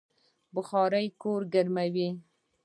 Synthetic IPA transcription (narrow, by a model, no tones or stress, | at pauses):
bʊxɑɾəjkoɾɡaɾmawi